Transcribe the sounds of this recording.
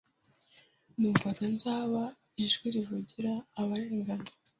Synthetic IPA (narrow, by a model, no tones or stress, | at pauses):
nuːɱfatanzaːβa | iʒɡiɾivuɟiɾaːβaɾeːŋɡanda